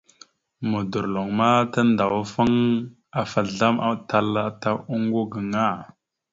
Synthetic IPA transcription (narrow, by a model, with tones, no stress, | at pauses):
mo˨du˨ɾlo˨ŋma˦ta˦nda˨wa˦fa˦ŋ | a˨fa˨ɮa˦ma˦ta˨la˦ta˦u˦ŋɡo˦ɡə˨ŋa˦˨